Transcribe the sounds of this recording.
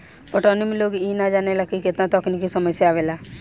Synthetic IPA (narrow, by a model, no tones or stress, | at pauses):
oʈɔnimloːɡiːnad͡ʒaːnelakːikɪt̪nãt̪ɔknikisəməsjaaːʋelaː